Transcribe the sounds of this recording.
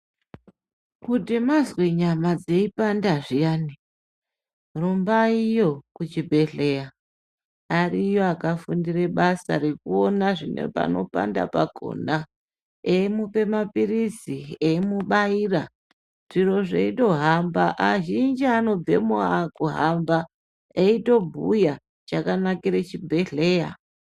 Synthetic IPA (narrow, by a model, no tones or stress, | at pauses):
kudimazweɲamad͡ze̞ipandaʐijaːni | rumbaijo̞kut͡ʃibʱe̞ɮe̞ja | arijoakafundire̞ɓasa̰ɾekuonaʐinḛpa̰no̞̰pa̰nda̰paɡʱo̰na | emupe̞mapirisiemuɓaiːra | ʐ̥iro̞ʐeito̞ɦambaʔaʒind͡ʒiano̞b͡ve̞̰moakuɦamba | eito̞bʱuja | t͡ʃakanakiɾet͡ʃibʱe̞ɮe̞ːja̰